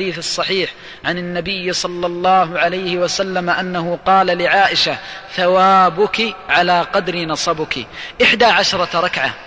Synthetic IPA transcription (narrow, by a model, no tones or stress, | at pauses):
d̪iːθɑsˤːɑħiːħ | ʕanɪnːabɪjːsˤɑlːɑlˤːɑːɦʊʕalajhɪwasalːamaʔanːaɦʊqɑːlalɪʕaːʔɪʃaθawaːbʊkiʕalaːqɑd̪ɾinɑsˤɑbʊkḭʔɪħd̪aːʕaʃɾˤɑɾˤɑkʕa̰